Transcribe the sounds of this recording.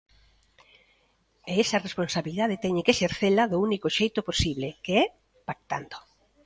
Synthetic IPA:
eesɐresponsaβiliðaðet̪ɛɲekeʃeɾθelɐðounikoʃejt̪oposiβlekeɛ | pak̚t̪a̰nd̪o

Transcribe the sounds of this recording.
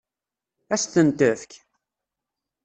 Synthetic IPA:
æsθənt̪əfk

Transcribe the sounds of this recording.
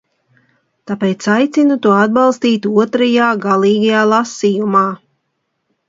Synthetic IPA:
t̪apeːt̪sajt̪sinut̪uɔad̪̚balˠst̪iːt̪uɔt̪ɾajaːɡalˠiːɡajaːlˠasijumaː

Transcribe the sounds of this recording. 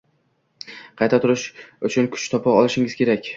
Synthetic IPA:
qʰɑjt̪ʰat̪ʰʊɾɪʃʊt͡ʃʰʊnkʰʊ̥t͡ʃt̪ʰɒpʰaɒlˠɪʃɪŋɪz̥kʲe̞ɾakʲ

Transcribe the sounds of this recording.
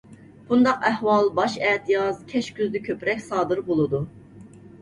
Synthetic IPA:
b̥und̪ɑqæhwɑlˠbɑʃɛt̪ʰjɑzkʲʰɛʃkʲyzd̪ɛkʲʰøpɾɛkʲsɑːd̪ɨɾbolˠɨd̪u

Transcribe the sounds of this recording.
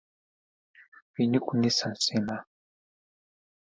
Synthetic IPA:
pinikʼunisan̩sima

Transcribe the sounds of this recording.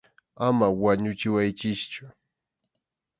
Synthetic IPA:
amawaɲʊt͡ʃɪwajt͡ʃɪst͡ʃʊ

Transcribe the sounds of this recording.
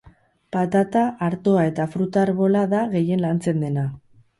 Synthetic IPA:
pat̪at̪aʔːɾt̪o̞ae̞t̪afɾut̪aːɾβo̞laðaɣe̞je̞nlant͡se̞nd̪e̞na

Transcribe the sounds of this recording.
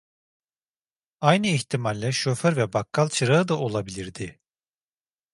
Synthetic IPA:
ajnɯiçt̪ʰimalʲːɛʃøføɾvɛbakːalˠt͡ʃʰɯɾaɯd̪aʔolˠabilʲiɾd̪ɪ

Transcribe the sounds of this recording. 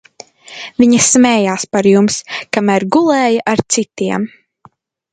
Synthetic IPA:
viɲɐsmɛːjaːspaɾjumskamæːɾɡulˠɛːjɐʔaɾt̪sit̪iɛm

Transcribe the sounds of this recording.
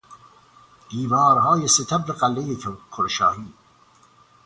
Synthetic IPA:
d̪̥iːvɒːɾɦɒːjeset̪ʰæbɾeɢælːejekʰoɾʃɒ̰ːhiː

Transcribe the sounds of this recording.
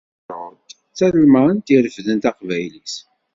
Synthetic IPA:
t̪ | t͡sːæɾumæənt̪iɾəfðənt̪ɑqvæjlis

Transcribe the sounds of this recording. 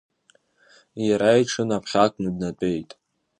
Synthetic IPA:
jaɾajʈ͡ʂʰɨnapʰχʲakʷʰʼnɨdnatʷʼe̞jtʼ

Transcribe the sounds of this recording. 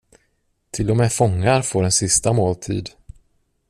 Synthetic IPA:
t̪ʰɪlːɔmɛfɔŋːaɾfoːɖɛnsɪst̪amoːlt̪ʰḭːd̪

